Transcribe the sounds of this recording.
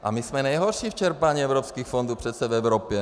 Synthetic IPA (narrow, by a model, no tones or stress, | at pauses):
ʔa̰mismɛnajɦɔɾʃiːft͡ʃɛɾpaɲiːɛʊɾɔpskiːxfɔnd̪uːprɛt̪sɛvɛʊɾɔpjɛ